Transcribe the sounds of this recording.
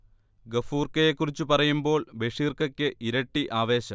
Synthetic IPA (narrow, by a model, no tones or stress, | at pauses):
ɡɐfuːrkɐjekːurit͡ɕːupɐrɐjumbo̞ːɭbeʂiːrkɐkʲːɨʔiɾɐʈːiʔaːʋe̞ːɕɐm